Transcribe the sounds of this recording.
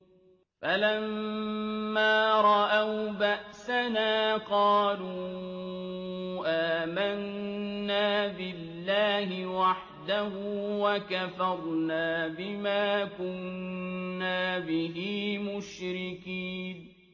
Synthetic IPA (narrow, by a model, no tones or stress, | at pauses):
falamː | aːɾˤɑʔawbaʔsanaːqɑːluː | ʔaːmanː | aːbɪlːaːhɪwaħ | d̪ahuːwakafɑɾˤnaːbɪmaːkʊnː | aːbɪɦiːmʊʃɾɪkiːn